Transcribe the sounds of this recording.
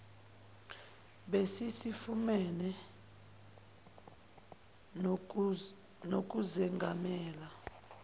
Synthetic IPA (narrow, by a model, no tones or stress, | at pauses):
ɓesisifumɛnɛ | nok̬ʼuzɛŋɡʱamɛːla